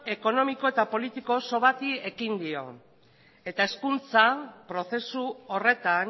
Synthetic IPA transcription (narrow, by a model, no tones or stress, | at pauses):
e̞ko̞no̞miko̞e̞t̪apo̞lit̪iko̞so̞βat̪ie̞kind̪io̞̰ | e̞t̪ae̞skunt͡sapɾo̞θe̞suore̞t̪an